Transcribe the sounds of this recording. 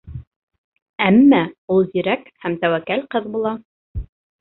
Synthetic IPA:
æmːæulˠziɾækhæmt̪æwækælqɤðbulˠɑ

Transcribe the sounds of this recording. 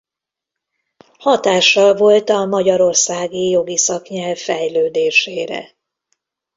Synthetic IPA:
hɒt̪aːʃːɒlvo̞lt̪ɒmɒɟɒɾo̞rsaːɡijo̞ɡisɒkɲɛlvːɛjløːd̪eːʃeːɾɛ̰

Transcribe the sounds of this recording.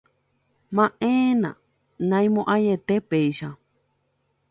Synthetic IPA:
mãʔẽːnã̰ | nãj̃mõʔajet̪epejʃa

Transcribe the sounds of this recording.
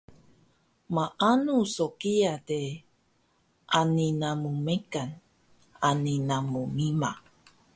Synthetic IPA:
maʔanusokiate | ʔaninamumekan | aninamumima

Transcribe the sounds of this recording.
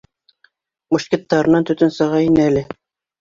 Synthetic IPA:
buʃkʲĕt̪ːɑɾɤ̆nɑnt̪ɵ̆t̪ɵnsɤ̆ʁɑinɘælɘ

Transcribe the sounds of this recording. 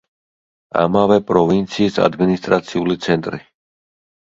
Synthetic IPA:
a̰mavɛpʼɾɔvint̪sʰiːsa̰d̪minist̪ʼɾat̪sʰiulit̪sʰɛnt̪ʼɾi

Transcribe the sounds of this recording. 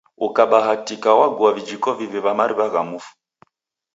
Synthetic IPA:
ukaɓaɦatikawaɡuavid͡ʒikɔviβiβamaɾiβaɣamuːfu̥

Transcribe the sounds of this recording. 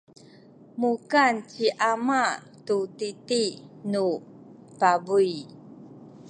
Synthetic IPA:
mukant͡ɕiʔama | tutitinu | pabuj

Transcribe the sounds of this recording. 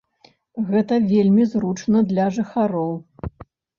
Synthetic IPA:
ɣɛt̪ɐvʲelʲmʲizɾut͡ʂnɐd̪lʲɐʐɨxaɾɔw

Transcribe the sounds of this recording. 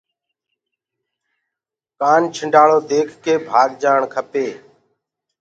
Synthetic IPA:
kaːnt͡ʃʰɪɳɖaːɭoːd̪eːkʰkeːbʱaːɡd͡ʒaːɳkʰəpeː

